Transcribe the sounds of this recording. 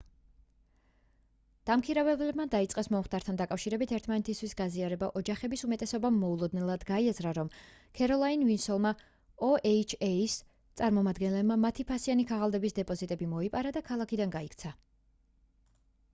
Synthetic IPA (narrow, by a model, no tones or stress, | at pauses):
d̪̥amkʰiɾavɛblɛbmad̪ait̪sʼqʼɛsmɔmχt̪ʼaɾt̪ʰand̪akʼafʃiɾɛbit̪ʰɛɾt̪ʰmanɛt̪ʰist̪ʰwisɡaziaɾɛbaʔɔd͡ʒaχɛbisumɛt̪ʼɛsɔbamːɔulˠɔd̪nɛlˠad̪ɡaiazɾaɾɔm | kʰɛɾɔlˠainvinsɔlˠma | ɔɛit͡ʃʰɛis | t̪sʼaɾmɔmad̪ɡɛnlɛbmamat̪ʰipʰasianikʰaʁalˠd̪ɛbisd̪ɛpʼɔzit̪ʼɛbimɔipʼaɾad̪akʰalˠakʰid̪anɡaikʰt̪sʰa